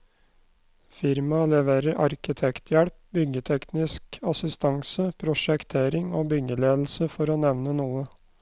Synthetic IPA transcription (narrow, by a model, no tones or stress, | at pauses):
fɪɾmɑlɛʋeːɾəɾʔɑɾkɪt̪ʰɛkt̪ʰjɛɽp̚bʏɡət̪ʰɛknɪskɑsɪst̪ʰɑŋsəpʰɾʊʃɛkt̪ʰeːɾɪŋoːbʏɡəleːd̪l̩səfɔɾoːnɛʋnənuːə